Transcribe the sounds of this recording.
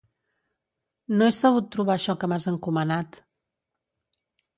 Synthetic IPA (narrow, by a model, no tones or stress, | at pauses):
noɛsəɣut̪ːɾuβaʃɔkəmazəŋkumənat̪